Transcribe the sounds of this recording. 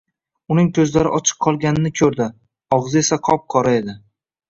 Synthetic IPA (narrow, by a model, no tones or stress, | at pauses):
ʊnɪŋkʲʰɵzlaɾɪʔɒt͡ʃʰɨ̥qʰːɒlˠɡʲanɪnɪkʲʰɵɾd̪ɪ | ɒʁzɪe̞saqʰɒp̚qʰɒɾae̞d̪ɪ